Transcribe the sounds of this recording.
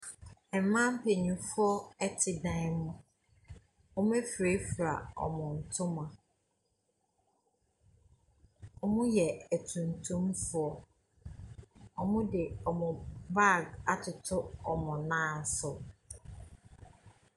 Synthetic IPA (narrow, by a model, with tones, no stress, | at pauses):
ɛ˨m̩˨mã˦m̩˦pʰe˨ɲĩ˨fʊ˦ɔ˦ɛ˦tʰɪ˨dã˦ɪ˦mʊ̃˦ | ɔ˦m̃˦æ˦fɾe˦fɾa̰˨ɔ̰˨mʊ̃˨n̩˨tʰʊ̃˦mã˨ | ɔ˨mʊ̃˦jɛ˨æ˨tʰũ˨n˨tʰũ˦mfʊ˦ɔ˨ | ɔ˨mʊ̃˦dɪ˨ɔ˨mʊ̃˨ba˦˨ɡa˨tʰʊ˨tʰʊ˦ɔ˨mʊ̃˨nãː˦˨sʊ˨